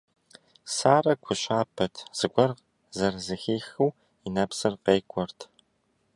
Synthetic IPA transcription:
saːrɐkʷʰʊɕaːpʰɐtʰz̥ɨɡʷɔrʁ | zɐrzɨxiːxɨw | inɐpsɨrqeːkʷʰʼɔrtʰ

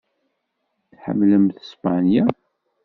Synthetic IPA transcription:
θħə̰mːləmθəspanja

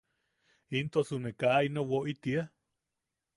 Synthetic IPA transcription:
int̪osunekainowoʔit̪ia

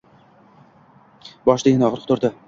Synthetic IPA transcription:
bɒʃd̪ajɪnɒʁɾqʰt̪ʰʊɾd̪ɪ

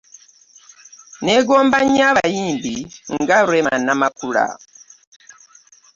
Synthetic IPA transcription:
nɛɡɔmbaɲaβajimbiŋɡaɾwɛmanamakuɺa̰

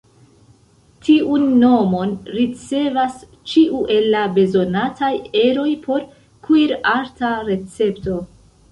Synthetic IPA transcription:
tʰiʔunːo̞mo̞nɾit͡se̞vas | t͡ʃiʔuʔe̞lːabe̞zo̞natʰaje̞ɾo̞jpʰo̞ɾ | kiɾaɾtaɾe̞t͡se̞pto̞

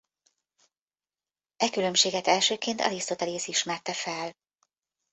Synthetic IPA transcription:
ɛkylø̞mʃeːɡɛt̪ɛlʃøːkeːnt̪ɒ̰list̪ot̪ɛleːsiʃmɛrt̪ɛfɛl

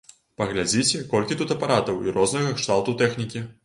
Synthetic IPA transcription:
pɐɣlʲad͡zʲit͡sʲɛkɔlʲkʲit̪ut̪ɐpaɾat̪ɐwiɾɔznɐɣɐɛkʂt̪alˠt̪ut̪ɛxnʲikʲi

